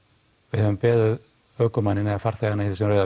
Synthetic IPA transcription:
vɪðhɛvʏmpɛːðʏð | œːkʏmanɪnɛafaɾ̥θɛɣanaiθɪ̥sɛmɾrœːjða

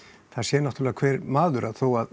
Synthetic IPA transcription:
θaðsjɛːnat̪ɾlːɣakʰvɛːɾmaːðʏɾaðθowað

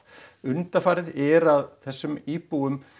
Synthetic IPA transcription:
ʏnt̪afaːɾɪðɛɾaðθɛsːʏmiːpuʏm

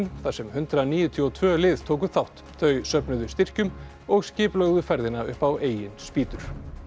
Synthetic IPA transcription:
nθasɛmhʏnt̪ɾaniːjʏt̪ʰiɔt̪ʰvœːlɪðt̪ʰoːwk̬ʏθawht̪θœɥsœpnʏðʏst̪ɪr̥cʏm | ɔɣscɪːplœɣðʏfɛɾðɪnaʏ̰hpaweːjɪnspiːt̪ʏɾ̥

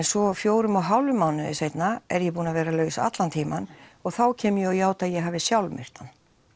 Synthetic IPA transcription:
nsɔfjoːwɾʏmɔwɦawlʏmaːwnʏðɪsejt̪naɛɾjɛpuːnavɛːɾalœːɥsa̰t̪lant̪ʰiːmanɔɣθawcʰɛːmʏjɛɔjaːwt̪aðjɛɦaːvɪsjawlmɪ̰r̥t̪an

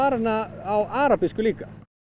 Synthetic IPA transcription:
aːɾnaːwʔaːɾapɪskʏliːka

